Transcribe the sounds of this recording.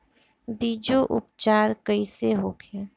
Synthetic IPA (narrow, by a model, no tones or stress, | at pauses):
biːd͡ʒoʔʊ̰pt͡ʃaːɾkəiseɦoːɡeː